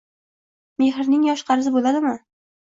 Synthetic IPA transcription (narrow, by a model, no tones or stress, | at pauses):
meɦɪɾnɪŋjɒʃqʰɑɾɪzɪbolad̪ɪmɪ